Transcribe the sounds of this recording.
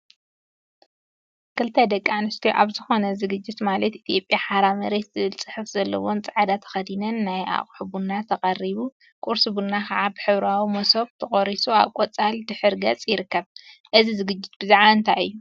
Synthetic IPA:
kʰɨlt̪ʰɐd̪ɐkʼːanɨst̪ʰoʔa̰βzɨxo̞nɐzɨɡɨd͡ʒːɪt̪malɐt̪ʔit̪ʰjo̞pʼjaħaɾamɐɾet̪zɨβɨlt͡sʼɨħɨfz̥ɐlːɐ̰wo̞nt͡sʼɨʕad̪at̪ʰɐ̥xɐd̪inɐnːaja̰χʼħuβunːat̪ʰɐqʼɐriβu | kʼuɾsɨβunːakʰɐʕabɨħɨβɾawimoso̞βt̪ʰɨχʼoɾisua̰βkʼot͡sʼald̪ɨħɨɾɡɐt͡sʼjɪɾɨkːɐβʔɨzizɨɡɨd͡ʒːɪt̪̚b̥ɨzaʕaɨnt̪ʰaɨ̰jːu

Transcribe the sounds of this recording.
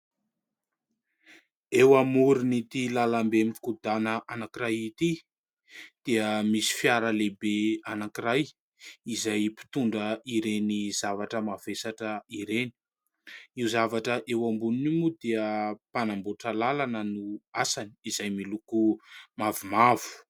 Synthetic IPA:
ewamuɾinit̪ilalambemifi̥kud̪anəʔanakiɾajit̪i | d̪̥eəmisi̥fjaɾəlebeanakiɾaj | izajpi̥t̪uɳɖ͡ʐəiɾenizavaʈ͡ʂəmavesaʈ͡ʂəiɾeni̥ | iwzavaʈ͡ʂəʔewambuninimud̪eəpanamboʈ͡ʂəlalanənuasaniizajmilukumavumav̥u̥

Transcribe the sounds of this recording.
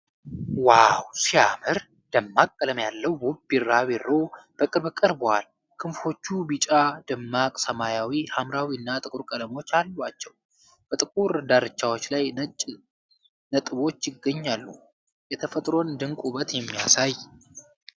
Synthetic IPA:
wawsiamɨɾ | d̪̥əmːakʼːələmjalːəwbubiɾaβeɾːo̞b̥əkʼɨɾbkʼəɾbəwal | kʰɨnfo̞t͡ʃːubit͡ʃʼad̪ɨmːakʼsəmajawihamɾawiɨnːat̪ʼɨkʼuɾkʼələmo̞t͡ʃːalːwat͡ʃːɛw | b̥ət̪ʼɨkʼuɾd̪aɾɨt͡ʃːawot͡ʃːlajnʼ | nət̪ʼɨβo̞t͡ʃːjɪɡːəɲːalːṵ | jɛt̪ʰəfət̪ʼɾo̞nd̪ɨŋkʼuβət̪jɛmːijasaj

